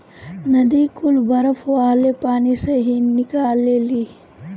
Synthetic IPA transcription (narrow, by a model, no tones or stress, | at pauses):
nɐd̪iːkulbɐɾɐfʰaːlepaːniseɦinikaːlːeːli